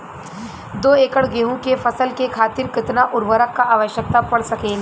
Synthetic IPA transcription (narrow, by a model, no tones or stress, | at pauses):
d̪oːeːkəɽɡeːɦũkefɐsəlkekʰaːt̪ɪɾkɪt̪naʔʊɾʋəɾəkːaʔaːʋəʃjək̚t̪apɐɽsɐkeːl